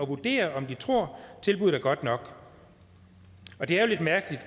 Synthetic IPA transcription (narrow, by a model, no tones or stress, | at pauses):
ɒ̽ʋud̥e̝̰ːɐʔɒ̽md̥it͡sʰʁo̝ɐ̰t͡sʰe̝lb̥uð̩ˠæɐɡ̥ɒ̽d̥nɒ̽ɡ̥ | ɒ̽d̥e̝æɐjo̝le̝d̥mæɐɡ̥əlid̥